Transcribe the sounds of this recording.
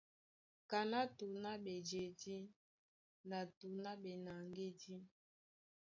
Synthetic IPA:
ka˨na˦tu˨na˦bɛ˨d͡ʒe˨di˦ | na˨tu˨na˦bɛ˨na˨ŋɡe˦di˦

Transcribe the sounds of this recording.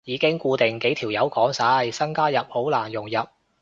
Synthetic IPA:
jiː˨˧kɪ˥ŋkʷuː˧t̪ɪ˨ŋke˨˥jt̪ʰiː˨˩wjɐ˨˥wkɔː˨˥ŋsaː˧˥jsɐ˥ŋkaː˥jɐ˨p̚ho˨˥wlaː˨˩njʊ˨˩ŋjɐ˨p̚

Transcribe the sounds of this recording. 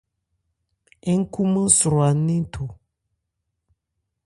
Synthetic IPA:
e˦ŋ̩˦ku˦mə˦su˨ɾo˨a˨˦nĩ˦tʰo˨

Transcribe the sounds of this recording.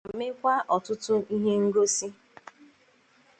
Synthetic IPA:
mɪ˦kʷa˦ʔɔ˨tʊ˦tʊ˦i˦ɦe˦ŋ̩˦ɡo˦si˦

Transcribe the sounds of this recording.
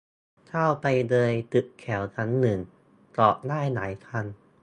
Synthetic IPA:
t̪ʰa˥˩wpa˧jdɤː˧jt̪ɯ˨˩ʔkʰɛː˩˦wt̪ʰa˦˥nːɯ˨˩ŋ | kɔː˨˩ʔ̚daː˥˩jnaː˩˦jkʰa˧n

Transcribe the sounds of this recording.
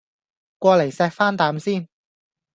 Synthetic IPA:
kʷɔː˧le˨˩jsɛː˧k̚faː˥nt̪aː˨˧msiː˥n

